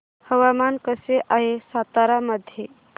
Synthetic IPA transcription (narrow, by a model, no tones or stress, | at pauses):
həwamankəseʔaɦesat̪aɾaməd̪ʱje